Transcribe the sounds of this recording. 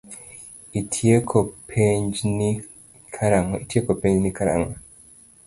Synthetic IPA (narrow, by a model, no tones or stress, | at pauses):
itʰjekʰopʰeɲd͡ʒni | kʰaɾaŋitjekopẽɲd͡ʒnikaɾa̰ŋɡɔ